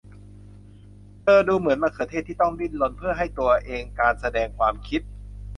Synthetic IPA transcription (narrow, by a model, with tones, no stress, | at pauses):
t̪ɤː˧duː˧mɯ˨˩˦nmaː˧˩kʰɤː˨˧˦t̪ʰeː˥˩t̪ʰːiː˥˩t̪ɔ˥˩ŋli˥˩nlo˧npʰɯ˥˩ɐɦa˥˩jt̪u˧ɐʔeː˧ŋkaː˧nsa˧dɛː˧ŋkʰwaː˧mkʰi˦˥t̪̚